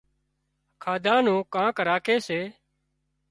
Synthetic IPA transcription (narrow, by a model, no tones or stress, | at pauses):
kʰaːd̪ʱãːnũːkãːkəɾaːkʰeːseː